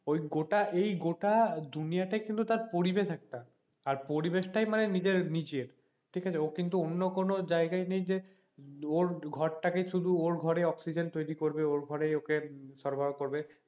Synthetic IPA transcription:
ojɡoʈaʔejɡoʈad̪unijaʈajkint̪ut̪aɾpoɾibeʃɛk̚ʈaː | ɾpoɾibeʃʈajmanenid͡ʑeɾnid͡ʑieɾ | ʈʰikat͡ɕʰeokint̪uonːokonod͡ʑaeɡajnejd͡ʑe | oɾɡʱɔɾʈakeʃud̪ʱuoɾɡʱɔɾeɔksid͡ʑent̪ojɾikoɾbeoɾɡʱɔɾejokeʃɔɾbʱaɾokoɾbe

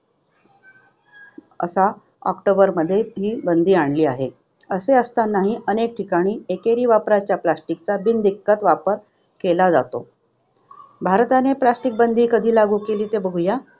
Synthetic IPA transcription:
ə̰sa | ɔ̰kʈobəɾməd̪ʱːjeɦiːbənd̪ʱiːaɳliːaɦe | əseəst̪anːaɦiːʔənek̚ʈʰikaɽ̃iːekeɾiːʋapɾat͡ɕjaplasʈikt͡sabind̪ikːət̪ʋapəɾ | kelad͡za̰t̪o̰ | bʱaɾt̪aneplasʈik̚bənd̪ʱiːkəd̪ʱiːlaɡuːkeliːt̪ebəɡuja

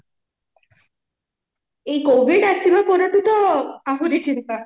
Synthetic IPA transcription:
ejkoʋʱiɖasimakɔɾat̪ut̪ɔaɦuɾit͡ʃint̪a

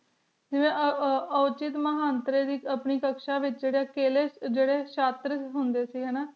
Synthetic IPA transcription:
d͡ʒɪʋẽːəʊt͡ʃɪt̪məɦaːnt̪ɾeːd̪iːəpniːkəkʃãːʋɪt͡ʃd͡ʒeːɽjaːkeːleːd͡ʒeːɽeːʃaːt̪ɾəɦʊnd̪eːsiːɦɛːnaː

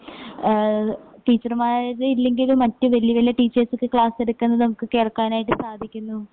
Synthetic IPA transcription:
ʈiːt͡ɕːɐrmaːɾilːe̞ŋɡilumːɐtːɨʋɐljɐʋɐlːɐʈiːt͡ɕːɐrsɨkːɨkɭaːseɽukːunːɐðɨnɐmukːɨke̞ːɭkːaːnaːjiʈːɨsaːd̪ʱikʲːunːu

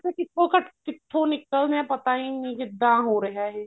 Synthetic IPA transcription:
ekɪt̪ʰːõːkəʈkɪt̪ʰːõːnɪkːəlnɛ̃ːpət̪aːiːñkɪd̪ːãːɦoːɾəɦaːɦɛː

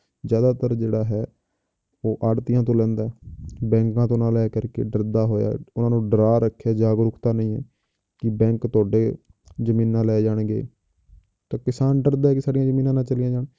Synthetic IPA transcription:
d͡ʒjaːd̪aːt̪əɾd͡ʒeːɽaːɦɛː | oːʔaːɖt̪ɪjãːt̪̬õːlɛ̃ːnd̪aːɛbɛ̃ːŋkãːt̪õːnãːlɛːkəɾkḛːɖəɾd̪aːɦoːja̰ːʊnãːnũːɖəɾaːɾəkʰːeːd͡ʒaːɡɾʊkʰt̪aːnəĩːɛ̰ː | kɪbɛ̃ːŋkt̪ʊaːɖeː | d͡ʒəmĩːnːãːlɛːd͡ʒaːɳɡḛː | t̪ãːkɪsaːnɖəɾd̪aːɛːkɪsaːɖɪjãːd͡ʒəmiːnãːnãːt͡ʃəlijãːd͡ʒaːɳ

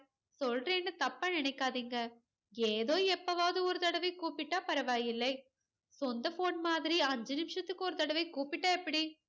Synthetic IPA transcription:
sɔlreːnːɯt̪ɐpːaːnɪɳɐɪkːaːðiːŋɡɐ | eːðoːɛpːɐʋaːðɯɔɾɯt̪ɐɽɐʋɐɪkuːpɪʈːaːpɐɾɐʋaːjɪlːɐɪ | sɔnd̪ɐfoːnmaːðɪɾiɐɲd͡ʒɐnɪmɪʂɐt̪ːɯkːɯɔɾɯt̪ɐɽɐʋɐɪkuːpɪʈːaːɛpːɐɽi

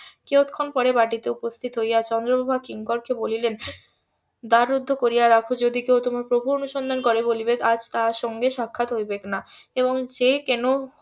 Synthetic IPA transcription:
keot̪kʰonpɔɾebaʈit̪eupost̪ʰit̪ɦojat͡ɕʰɔnd̪ɾobobʱakiŋkɔɾkebolilen | d̪aɾːud̪ʱːokoɾijaɾakʰod͡ʑod̪ikewt̪omaɾpɾobʱuɾonuʃond̪ʱankoɾebolibead͡ʑt̪aɾʃɔŋɡeʃakʰːat̪ɦojbekna | eβoŋd͡ʑekɛno

